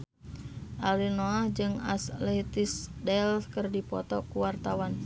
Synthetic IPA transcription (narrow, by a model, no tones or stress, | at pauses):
ʔalinoahd͡ʒɨŋa̰slɛt̪isdɛlskərdipɔt̪ɔkuwart̪awan